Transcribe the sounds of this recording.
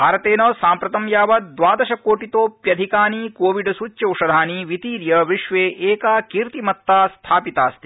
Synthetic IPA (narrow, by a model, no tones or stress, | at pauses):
bʱaːɾɐt̪eːnɐsaːmpɾɐt̪ɐmjaːʋɐd̪ʋaːd̪ɐʃɐkoːʈit̪oːpjɐd̪ʱikaːnikoːʋiɖsut͡ʃːjɐuʂɐd̪ʱaːniʋit̪iːɾjɐʋiʃʋeːʔeːkaːkiːɾt̪imɐt̪ːaːst̪ʰaːpit̪aːst̪i̥